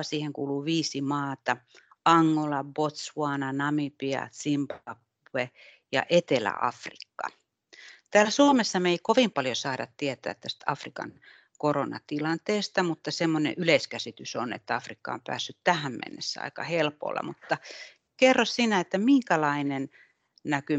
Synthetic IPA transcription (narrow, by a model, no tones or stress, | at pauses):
siːheŋkuːluːʋiːsimɑːt̪ɑ | ɑŋːolɑbot̪sʋuɑnɑnɑmipiɑ̰simpɑp | ue | jɑ̰ʔet̪elæ̰ɑ̰frikːɑ̰ | t̪æːlæsuomesːɑmeikoʋimpɑljosɑːɾɑt̪t̪iet̪æ̰ːt̪t̪æst̪ɑfrikɑ̰n | koronɑ̰t̪ilɑnt̪eːst̪ɑmut̪ːɑsemːonḛʔyleskæsit̪ysonḛt̪ːæɑfrikːɑ̰o̰mpæ̰ːsːyt̪t̪æhæmmḛnːesːæɑ̰ikɑ̰helpo̰lːɑ̰mut̪ːɑ | kerːossinæet̪ːæmiŋkælɑinen | næky